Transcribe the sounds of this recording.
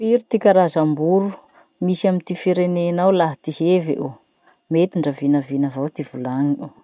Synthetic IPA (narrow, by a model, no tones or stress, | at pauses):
fiɾit̪ikʲaɾazambuɾu | misiamint̪ifiɾenenawlaɦt̪ihevḛʔu | met̪iɳɖ͡ʐəvinəvinəvawt̪iv̥ulaŋiu